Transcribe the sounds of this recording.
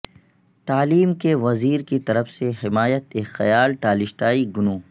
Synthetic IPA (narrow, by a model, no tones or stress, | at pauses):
t̪aːliːmkeʋɐziːɾkit̪ɐɾəfseɦɪmaːjət̪eːxɐ̰jaːlʈaːlɪʃʈaːiɡʊnoː